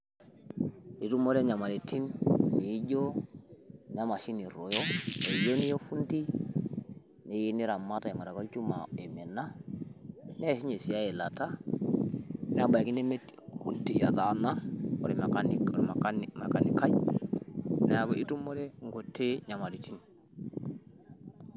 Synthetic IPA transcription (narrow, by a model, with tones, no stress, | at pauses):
i˨tu˦mo˦ɾe˦ɲa˨ma˨le˨ti˦nni˨i˦ɟo˦ | n˨˦a˦ma˨ʃi˦ni˨ɾo˨jo˦ne˨jo˦ni˦jo˦fu˦nti˦ | ne˨ji˦ni˦ɾa˨ma˦ta˨e˨ŋo˨ɾa˨ko˦lt͡ʃu˦ma̰˨e˨me˨na˦ | ne˦˨si˦ɲe˨si˨ja˦je˨la˨ta˦ | nɛ˦a˦ba˨i˨ki˦ne˦me˦thṵ˦nti˨ja̰˨ta˨na˦o̰˨ɾi˨m˨ka˨ni˨ɾma˨ka˦nma˨ka˨ni˨ka˦j | ne˦a˨ɡo˨ʔi˦tu˦mo˦ɾe˦ŋ˨ɡo˨tːe˦ɲa˨ma˨ɾi˨ti˦n